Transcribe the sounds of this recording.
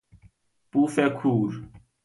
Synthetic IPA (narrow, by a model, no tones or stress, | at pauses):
pufɛkʰuɾ